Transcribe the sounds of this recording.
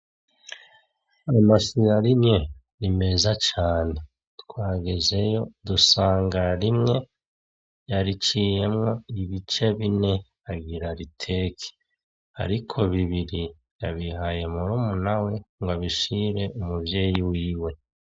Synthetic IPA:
amaʃiɾaɾimɲe̞ | ɾime̞zat͡ʃaːne̞ | tkwaːɡeze̞jo̞dusaːŋɡaɾimŋe̞ | jaɾit͡ʃije̞mŋo̞iβit͡ʃe̞βine̞ | aɡiɾaɾitʰe̞ːkʰi̥ | a̰ɾikʰo̞βiβiɾi | jaβiɦaje̞muɾuːmunawe̞ŋɡwaβiʃiɾe̞ʔumubje̞jiwiːwe̞

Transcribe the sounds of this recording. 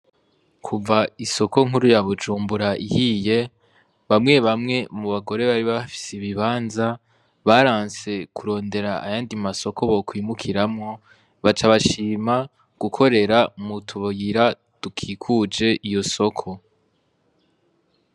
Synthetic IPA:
kʰuvaiso̞ko̞ŋ̥huɾujaβud͡ʒuːmbuɾaʔihiːje̞ | βamŋe̞βamŋe̞muβaɡo̞ɾe̞βaɾiβaβafi̥seβiβaːnza | βaɾaːnse̞kuɾo̞ːnde̞ɾaa̰jaːndimaso̞kʰo̞βo̞kwiːmukʰiɾamŋo | βat͡ʃaβaʃiːma | ɡ̥ukʰo̞ɾe̞ɾamutʰuβojiɾa | tukʰikʰud͡ʒe̞ʔijo̞so̞kʰo̞

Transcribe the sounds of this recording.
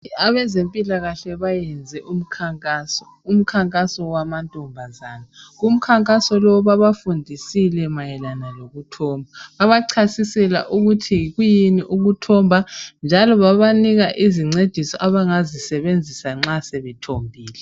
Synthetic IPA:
aβɛzempʼilaɣaɬɛβajɛnd͡zʱɛʔum̩kʰaŋkʼasɔ | um̩kʰaŋkʼasɔwamantʼɔmbʱazaːnaɣum̩kʰaŋkʼasɔlɔβaβafundʱisilɛmajɛlanaloɣutʰɔmbʱaβaβaǀʰasisɛla̰ʔuɣutʰiɣujiniʔuɣutʰɔmbʱand͡ʒʱalɔβaβaniɣaʔiziŋ͡ǀed̥ʱisɔʔaβaŋazisɛβend͡zʱisaŋ͡ǁasɛβɛtʰombʱiːlɛ

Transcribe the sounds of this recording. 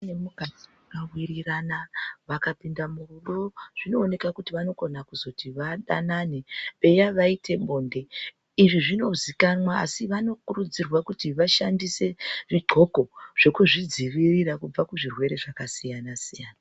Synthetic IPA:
nemukad͡ziakawiɾiranaʋakapindamururo̞ʐ̥ino̞ːne̞kakutiʋano̞ko̞nakuzo̞tiʋaɗa̰nanepe̞jaʋaitʰe̞mbo̞ːnde̞ | iʐiʐino̞zikanwa̰ːsiʋano̞kurud͡zirwakutiʋaʃandise̞ʐiǃʱo̞ko̞ʐ̥e̞kuʐid͡ziʋiriɾakub͡vakuʐirwe̞ɾe̞ʐakasijanasijaːna

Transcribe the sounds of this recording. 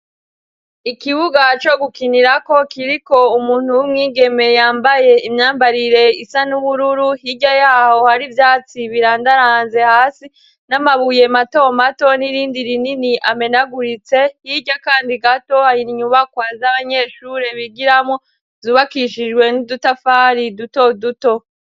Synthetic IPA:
ikiβuɡat͡ʃo̞ɡukiniɾako̞kiɾiko̞umuːn̥huwimŋiːɡe̞me̞jaːmbaje̞imɲaːmbaɾiɾe̞isanuβuɾuɾuɦiɟajaːho̞haɾivjaːt͡siβiɾaːndaɾaːnze̞haːsi | namaβuje̞mato̞mato̞niɾiːndiɾininiʔame̞naɡuɾit͡se̞hiɟakaːndiɡato̞hajiniɲuβakwazaβaɲe̞ːʃuɾe̞βiɡiɾamŋo̞ | vzuːβakiʃid͡ʒɡwe̞nidutafaɾiduto̞duto̞

